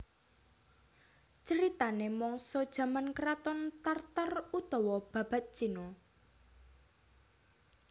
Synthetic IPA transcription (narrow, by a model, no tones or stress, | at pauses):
t͡ʃəɾit̪anemɔŋsɔd̥ʒ̥ä̤mankɾat̪ɔnt̪art̪ərut̪ɔwɔb̥ä̤b̥a̤t̪̚t͡ʃinɔ